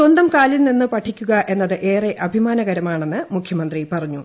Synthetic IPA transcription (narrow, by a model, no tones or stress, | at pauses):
sond̪ɐmkaːlilninːɨpɐʈʰːikʲːuɣɐʔe̞nːɐðɨʔe̞ːreʔɐbʱimaːnɐɣɐɾɐmaːɳe̞nːɨmukʰjɐmɐnd̪ripɐrɐɲːu